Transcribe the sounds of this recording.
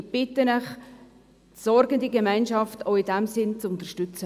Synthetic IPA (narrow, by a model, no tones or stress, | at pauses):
b̥ɪtənɛχ | tsɔɾɡəndiɡemɛɪnʃɑftoʊɪdɛmsɪnt͡sʊnt̪əɾʃtʏt͡sə